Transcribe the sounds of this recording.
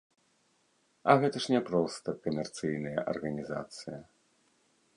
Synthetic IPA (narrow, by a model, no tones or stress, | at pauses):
ɐɣɛt̪ɐʂnʲɛpɾɔst̪ɐkɐmʲɛrt̪sɨjnɨjɐ̰ʔɐ̰rɣɐnʲiza̰t̪sɨjɐ